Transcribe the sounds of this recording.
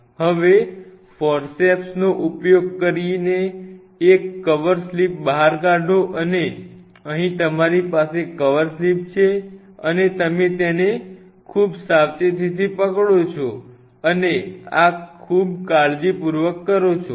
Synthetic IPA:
ɦəʋe | fɔɾsepsnoʔupjoɡ̚kəɾineː | kːəʋəɾslip̚bəɦaɾkaɖʱoʔəne | əɦĩt̪əmaɾipasekəʋəɾslip̚t͡ʃʰe | ənet̪əmet̪ene | kʰubsaʋt͡ʃet̪it̪ʰipəkɭot͡ʃʰo | əneakʰub̚kaɭd͡ʒipuɾʋəkːəɾot͡ʃʰo

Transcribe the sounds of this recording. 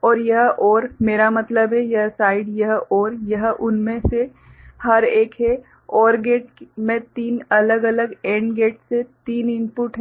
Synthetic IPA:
ɔːɾjɐɦʔɔːɾmeːɾamɐt̪ləbɦɛjɐɦsaːɪɖjɐɦɔːɾjɐɦʔʊnmẽse | hɐɾeːkɦe | ɔːɾɡeːʈ̚mẽt̪iːnɐləɡɐləɡẽːɳɖɡeːʈset̪iːnɪ̃mpʊʈɦ

